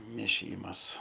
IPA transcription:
mʲeːˈʃʲiːmɐs

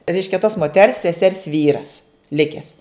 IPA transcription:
ˈrʲɛɪʃʲkʲɛ toːs moːˈtʲɛrs sʲɛˈsʲɛrs ˈʋʲiːrɐs ˈlʲɪkʲɛs

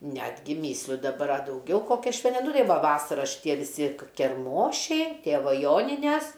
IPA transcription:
ˈnʲæːdʲɡʲɪ ˈmʲiːsʲlʲʊ dɐˈbɐr ɐ dɐʊˈɡʲɛʊ koːkʲæː ˈʃʲʋʲɛn ˈnʊ ˈtɐɪ ˈʋɐ ˈʋɑːsɐrɐ ʃʲɪˈtʲiɛ ʋʲɪˈsʲɪ kʲɛrˈmoːʃʲɛɪ ˈtʲeːʋɐ ˈjoːnʲɪnʲæs

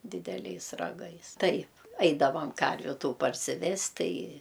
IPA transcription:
dʲɪdʲɛˈlʲɛɪs rɐˈɡɐɪs ˈtɐɪp ˈɐɪdɐʋɐm ˈkɐrʲʋʲʊ ˈtuː pɐrʲsʲɪˈʋʲɛst ˈtɐɪ

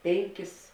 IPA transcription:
ˈpʲɛŋʲˌkʲɪs

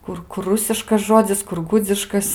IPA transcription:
ˈkʊr ˈkʊr ˈrʊsʲɪʃkɐs ˈʒoːd͡zʲɪs kʊr ˈɡʊd͡zʲɪʃkɐs

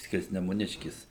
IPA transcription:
sʲkʲɪrʲsʲnʲɛmʊˈnʲɪʃʲkʲɪs

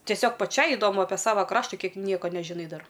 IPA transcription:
tʲiɛˈsʲoːk pɐˈt͡ʃʲɛɪ ɪdoːˈmʊ ɐpʲiɛ ˈsɑːʋɐ ˈkrɑːʃtɐ ˈkʲiɛk ˈnʲiɛkɐ nʲɛʒʲɪˈnɐɪ ˈdɐr

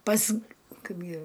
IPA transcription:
pɐs ˈkɐɪbʲɡʲɪ

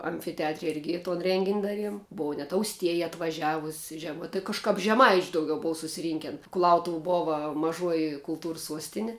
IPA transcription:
ɐmʲfʲɪtʲɛˈɑːtʲrʲɛ ˈɪrʲɡʲɪ toːn ˈrʲɛŋʲɡʲɪnʲ ˈdɑːˌrʲiɛm ˈboːʋɐ nʲɛt ɐʊsʲˈtʲiɛjɛ ɐtʋɐˈʒʲæːʋʊsʲ ʒʲɛˈmɐɪ tɐɪ kɐʃˈkɐp ʒʲɛˈmɐɪt͡ʃʲ dɐʊˈɡʲɛʊ ˈboːʋɐ sʊsʲɪˈrʲiːŋʲkʲɛn kʊˈlˠɐʊtʊw ˈboːʋɐ mɐˈʒuɔjɪ kʊlˠˈtuːrs ˈsuɔsʲtʲɪnʲɪ

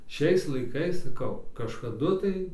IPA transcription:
ˈʃʲɛɪs lˠɐɪˈkɐɪs sɐˈkɐʊ kɐʃkɐˈdʊ tɐɪ

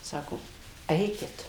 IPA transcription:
ˈsɑːkoː ˈɛɪkʲɪt

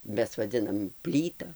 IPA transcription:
ˈmʲɛs ʋɐˈd͡zʲɪnɐm ˈpʲlʲiːtɐ

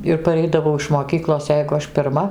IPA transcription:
ɪr pɐˈrʲɛɪdɐʋɐʊ ɪʃ moːˈkʲiːklˠoːs ˈjɛɪɡʊ ˈɐʃ pʲɪrˈmɐ

